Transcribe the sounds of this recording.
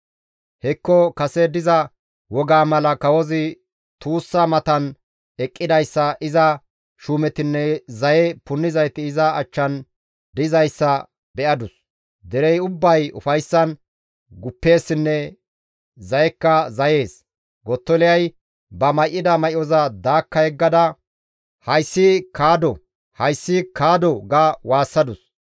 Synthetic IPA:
hɛkːɔkɐsɛd̪ɪzɐ | wɔɡaːmɐlɐkɐwɔzɪ | t̪uːsːɐmɐt̪ɐn | ɛkʼːɪd̪ɐjsːɐʔɪzɐ | ʃuːmɛt̪ɪnːɛzɐjɛpʊnːɪzɐjt̪ɪɪzɐːt͡ʃːɐn | d̪ɪzɐjsːɐ | bɛʔɐd̪ʊs | d̪ɛɾɛjʊbːɐjʊ̰fɐjsːɐn | ɡʊpːe̞ːsːɪnːɛ | zɐjɛkːɐzɐje̞ːs | ɡɔt̪ːɔlɪjɐj | bɐmɐjʔːɪd̪ɐmɐʔɪɔzɐd̪aːkːɐhɛɡːɐd̪ɐ | hɐjsːɪkaːd̪ɔ | hɐjsːɪkaːd̪ɔɡawaːsːɐd̪ʊs

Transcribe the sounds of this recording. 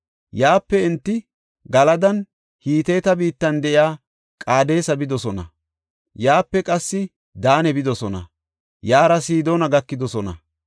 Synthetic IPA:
jaːpːɛɪnt̪ːɪ | ɡɐlɐd̪ɐn | hiːt̪e̞ːt̪ɐbiːt̪ːɐnd̪ɛʔɪjaː | kʼaːd̪e̞ːsɐbɪd̪ɔsɔnɐ̰ | jaːpːɛkʼɐsːɪ | d̪aːnɛbɪd̪ɔsɔnɐ̰ | jaːɾɐsiːd̪oːnɐɡɐkːɪd̪ɔsɔnɐ̰

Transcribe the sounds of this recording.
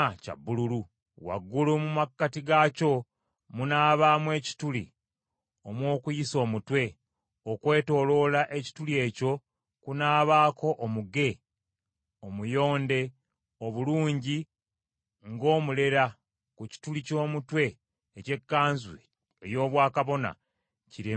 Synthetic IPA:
ca̰bːululu | wa̰ɡːulumumakːatiɡaco̞ | munaːβamwe̞ːci̥tulḭ | omwo̞ːkujiso̞ːmutwe̞ | okwe̞ːto̞ːlo̞laʔe̞ci̥tulie̞ːco̞ | kunaːβaːko̞ʔːmuɡe̞ | omujo̞ːnde̞ | oβuluːɲɟi | ŋɡo̞ːmule̞ɾa | kuci̥tulico̞ːmutwe̞ː | ce̞kːaːnzwe | ejo̞ːβwaːkaβo̞na̰ | ciɾe

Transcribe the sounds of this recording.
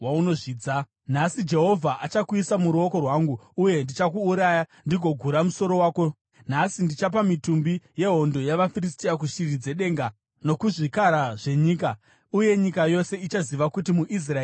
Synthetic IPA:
wauno̞ʐiːd͡za | nasid͡ʒe̞ɦo̞vʱaʔat͡ʃakuisamuɾuo̞ko̞rwaːŋɡuuje̞ndit͡ʃakuːɾajandiɡʱo̞ɡʱuɾamuso̞ɾo̞waːko̞ | nasindit͡ʃap̬amitumbije̞ɦo̞ndo̞jaʋafiris̬tiak̬uʃirid͡ze̞ɗe̞ːŋɡa | no̞kuʐikaɾaʐe̞ɲiːka | uje̞ɲikajo̞se̞it͡ʃaziʋakutimuʔis̬raeː

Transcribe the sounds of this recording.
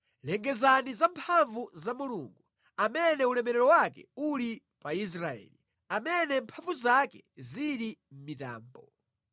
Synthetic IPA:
lɛŋɡɛzanizampʰaɱvuzamuluŋɡu | amɛnɛulɛmɛɾɛɾɔwakɛuli | pais̬ɾaɛ̰ːli | amɛnɛmpʰaɱvuzakɛziɾim̩mita̰ːmbɔ

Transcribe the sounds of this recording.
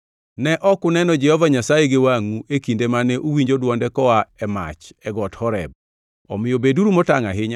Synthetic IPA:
nɛʔɔkʊnɛnɔd͡ʒɛhɔvaɲasajeɡewaŋuʔekindemanɛʔuwiɲd͡ʒodwɔndɛkɔaɛma̰t͡ʃɛɡɔthɔɾɛ̰b̚ | ɔ̰mɪjobeduɾumɔtaŋaɦɪɲa

